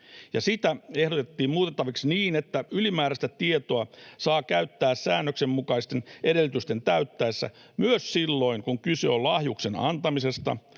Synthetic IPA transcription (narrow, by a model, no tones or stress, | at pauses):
jɑsit̪æehɾot̪et̪ːiːmmuːt̪et̪ːɑʋiksniːnet̪ːæylimæːɾæst̪æt̪iet̪oɑsɑːkæyt̪ːæːssæːnːøksemmukɑist̪enʔeɾelːyt̪yst̪e̞nt̪æyt̪ːæesːæ̰ | myøssilːo̞iŋkuŋkysḛolɑhjukse̞nɑ̰nt̪ɑmise̞st̪ɑ̰